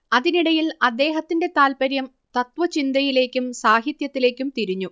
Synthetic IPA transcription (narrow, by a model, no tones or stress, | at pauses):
ɐðiniɽɐjilɐd̪ːe̞ːɦɐt̪ːinde̞t̪aːlpɐɾjɐm | t̪ɐt̪ʋɐt͡ɕind̪ɐjile̞ːkʲːumsaːɦit̪jɐt̪ːile̞ːkʲːumt̪iɾiɲːu